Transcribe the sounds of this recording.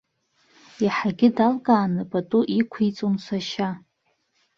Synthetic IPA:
jaħaɡʲɪdalkʼaːnɨpʼatʼuʔikʷʰejt͡sʼunsʷaʃa

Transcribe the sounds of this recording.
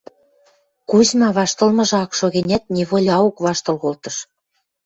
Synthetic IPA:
kuzmɑβɑʃt̪ɤ̆lmɤ̆ʒɑkʃoɣenʲæt̪̚nʲeβolʲɑukβɑʃt̪ɤ̆lɣolt̪ɤ̆ʃ

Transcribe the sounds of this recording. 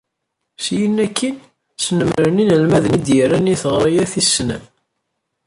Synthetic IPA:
sjənːækːin | snəmɾəninəlmæðənid̪jərːæniθʁɾˤijæθisːnæ̰

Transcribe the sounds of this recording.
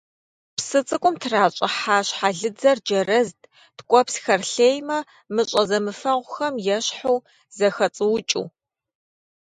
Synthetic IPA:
psɨt͡sʼɨkʷʼʊmtʰraːɕʼɐ̰ħaːɕħaɮɨd͡zɐrd͡ʒɐrɐztʼ | tkʷʼɔpsxɐrɬeːjmɐ | mɨɕʼɐzɐmɨfɐʁʷʊxɐmjɛɕħow | zɐxɐt͡sʼɨwʊt͡ʃʼṵː

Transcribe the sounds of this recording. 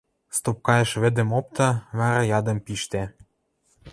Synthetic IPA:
st̪op̚kɑjə̆ʃβɘ̆d̪ə̆mop̚t̪ɑβɑɾɑjɑd̪ə̆mpiʃt̪æ

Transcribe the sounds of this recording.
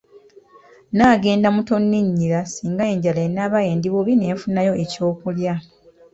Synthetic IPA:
naːɡe̞ːndamuto̞nːiɲːilasiːŋɡae̞ːɲɟalaenːaːβajeːndiβuβine̞ːfunajo̞e̞co̞ːkulja

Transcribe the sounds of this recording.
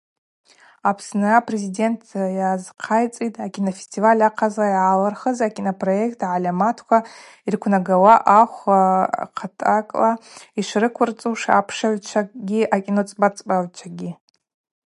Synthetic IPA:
apʰsnɨapʼre̞zide̞ntʰjazqʰajt͡sʼitʼʰakʲʼinofestʰivalʲaqʰazaiʕalarχəzakʲʼinopʰʼro̞e̞kʰʼtʰaʕalʲamatʰkʷʰa | irkʷʰnaɡawaʔaχʷaqʰatʼakʼlaiʂrɨkʷʰʊrt͡sʼuʂa̰pʰʂaʕʷt͡ʃʷʰaɡʲiakʲʼinot͡sʼbʼat͡sʼpʼaʕʷt͡ʃʷʰaɡʲi

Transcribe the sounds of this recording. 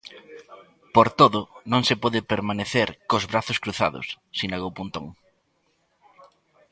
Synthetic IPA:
poɾt̪oðʊnõŋsepɔðɪpeɾmaneθeɾkozβɾaθʊskɾuθa̰ðʊ̰s | sinaɣowpunt̪o̰ŋ

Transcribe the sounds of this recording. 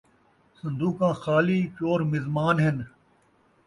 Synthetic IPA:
sɐ̃nd̪uːkãːxaːliːt͡ʃoːɾmɪzmaːnɦɪn

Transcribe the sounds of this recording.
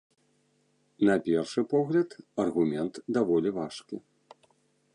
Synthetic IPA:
nɐpʲɛrʂɨpɔɣlʲɐt̪ɐrɣumʲɛnt̪d̪avɔlʲivaʂkʲi

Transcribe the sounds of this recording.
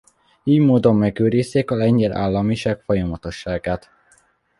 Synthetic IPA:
iːjmoːd̪o̞mːɛɡøːɾiːst̪eːkɒlɛɲɟɛlʔa̰ːlːɒmiʃaːkfojɒmɒt̪o̞ʃːaːɡaːt̪

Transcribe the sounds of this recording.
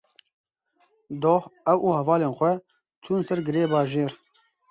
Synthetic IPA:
d̪oːhɛwʔuːhɛvɑːleːnxʷɛ | t͡ʃʰuːnsɛɾɡɨɾeːbɑːʒeːɾ

